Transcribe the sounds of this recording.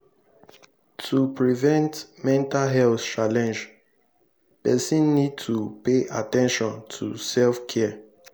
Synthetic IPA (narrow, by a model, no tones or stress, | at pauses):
tʰupɹivɛ̃ntmɛ̃ntalɦɛlθt͡ʃalɛ̃nd͡ʒ | pɛsĩnːid̚tʰupeʔa̰tɛ̃nʃɔ̃ntʰṵsɛlfkʰɛ